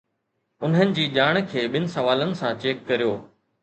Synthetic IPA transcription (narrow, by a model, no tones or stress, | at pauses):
ʊn̤ənɪ̆d͡ʑiːʄaːɽ̃̆kʰeːɓɪnɪ̆sɐʋaːlənɪ̆sãt͡ɕeːkːɐɾijoː